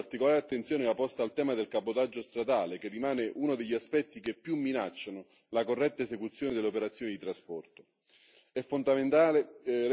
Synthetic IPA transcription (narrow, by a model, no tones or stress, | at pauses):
rt̪ikolaːɾeat̪ːent̪sjoːneapːɔst̪aːlt̪ɛːmad̪elkapot̪ad͡ʒːost̪ɾad̪aːlekerːimaːneʔunod̪eʎːiaspɛt̪ːikepːjumːinat͡ʃːano | lakorːɛt̪ːaesekut̪sːjoːnɪd̪eleopeɾat̪sːjoːnid̪it̪ɾaspɔrt̪o̥ | ɛfːond̪ament̪aːle